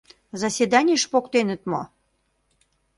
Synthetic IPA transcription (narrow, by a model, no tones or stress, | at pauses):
zɑsʲed̪ɑnʲiəʃpokt̪enə̆t̪mo